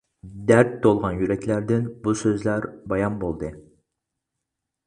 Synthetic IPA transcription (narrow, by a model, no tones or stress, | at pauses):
d̪æɾt̪ːolˠʁɑnjyɾɛkʲʰlæɾd̪ɪnbusøzlæɾbɑjɑnbolˠd̪ɨ